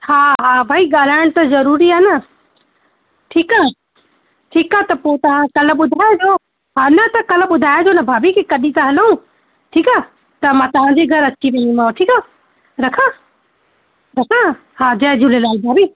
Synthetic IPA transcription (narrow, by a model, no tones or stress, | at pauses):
haːɦabʱaːiɡaːl̤aːɪɽ̃t̪ɐzɐɾuːɾianə | ʈʰiːkaːɦ | ʈʰiːkaːt̪ɐpoːt̪ɐʋ̤ãkɐlɓʊd̪ʱaːed͡ʑoː | ɦanɐt̪ɐkɐlɓʊd̪ʱaːed͡ʒoːnɐbʱaːbikikɐɗĩt̪aɦɐləɦũ | ʈʰiːka | t̪ɐmãt̪ɐʋ̤ãd͡ʑeɡʱɐɾɐtːʃʰiʋẽĩmãːʈʰiːka | ɾɐkʰã | ɾɐkʰã | ɦaːd͡ʑɐɦd͡ʑulelaːlbʱaːbiː